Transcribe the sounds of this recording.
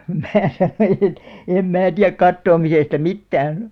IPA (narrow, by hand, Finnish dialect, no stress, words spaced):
mæː sɑnoij̆ et em mæː tiæk kɑtːoːmisestɑ mitːæːn